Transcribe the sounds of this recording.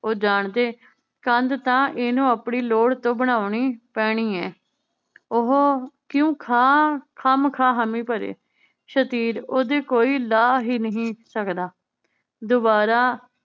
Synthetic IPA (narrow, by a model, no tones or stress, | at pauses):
oːd͡ʒaːɳt̪eː | kənd̪t̪ãːʔeːnũːəpɳiːloːɽt̪õːbəɽ̃aːʊɳiːpɛːɽ̃iːɛː | ʊɦokjõːkʰaːkʰəmkʰaːɦəmĩːpəɾḛː | ʃət̪iːɾoːd̪eːkoːiːlaːɦiːnəɦĩːsəkd̪aː | d̪oːbaːɾaː